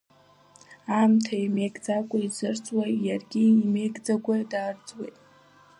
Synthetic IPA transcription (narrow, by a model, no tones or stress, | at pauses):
amtʰaime̞jɡʼd͡zakʷʼaizɨrt͡sʼwajarɡʲiime̞jɡʼd͡zaɡʷadaːrd͡zʼwejtʼ